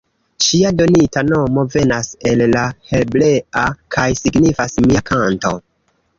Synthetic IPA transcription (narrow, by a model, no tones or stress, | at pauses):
ʃiado̞nitano̞mo̞ve̞nase̞lːahe̞lble̞akʰajsiɡnifasmiakʰanto̞